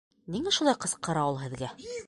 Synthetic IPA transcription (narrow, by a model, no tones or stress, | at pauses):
niŋæʃulˠɑjqɤ̆sqɤ̆ɾɑɤlˠɦɘ̆ðɡæ